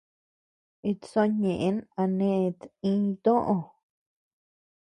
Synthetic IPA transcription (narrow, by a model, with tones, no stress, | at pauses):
i˧so˦ɲẽ˨ʔe˦na˧nẽ˦˧t̪ĩ˦˧t̪õ˦ʔõ˧